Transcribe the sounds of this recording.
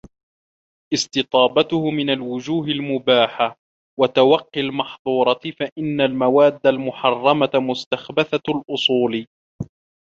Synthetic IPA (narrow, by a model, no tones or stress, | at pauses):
ʔɪst̪ɨt̪ˤɑːbat̪ʊhʊmɪnalwʊd͡ʒuːɦɪlmʊbaːħa | wat̪awɑqːɪlmɑħðˤuːɾˤɑfaʔɪnːalmawaːd̪ːalmʊħɑrˤːɑmamʊst̪axbaθalʔʊsˤuːl